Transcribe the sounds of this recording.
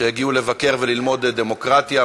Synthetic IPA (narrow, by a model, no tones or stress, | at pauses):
ejeɡiule̞vake̞ʁvelilmo̞d̪d̪emo̞kʁat̪ja